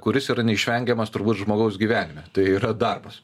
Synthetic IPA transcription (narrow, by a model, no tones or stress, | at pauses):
kʊɾʲɪsiːɾɐnʲɛɪʃʲʋʲɛŋʲɡʲɛmɐst̪ʊɾbuːt̪ʒmoːɡɐʊs̬ɡʲiːʋʲæːnʲɪmʲɛt̪ɐɪiːɾɐd̪ɐrbɐs